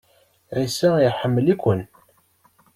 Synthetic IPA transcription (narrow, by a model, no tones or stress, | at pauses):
ʕisæjħəmːəlikʷən